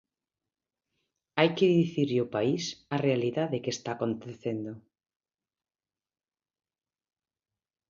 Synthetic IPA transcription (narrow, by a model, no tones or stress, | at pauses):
ajkɪðiθiɾʎʊpaisarealiðaðekest̪aːkont̪eθend̪o